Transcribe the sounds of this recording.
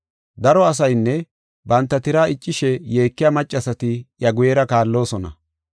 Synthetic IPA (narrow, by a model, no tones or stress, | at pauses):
d̪ɐɾɔɐs̬ɐjnːɛ | bɐnt̪ːɐt̪ɪɾaːɪt͡ʃʼːɪʃɛje̞ːkːɪjamɐt͡ʃʼːɐsɐt̪ɪjɐɡʊjɛɾɐkaːlːo̞ːsɔnɐ̰